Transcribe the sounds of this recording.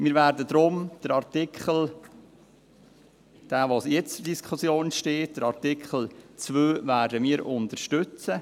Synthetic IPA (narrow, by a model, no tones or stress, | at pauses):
miːɾvæːɾdəd̪ɾʊmd̥əɾɑɾtɪkχəl̩ | d̥aːvosjɛt͡sədiskʰχʊsjoːnʃteːt̚d̥əɾaɾtikχəl̩t͡svøːvæːɾdəmiːɾʊntəɾʃtʏt͡sə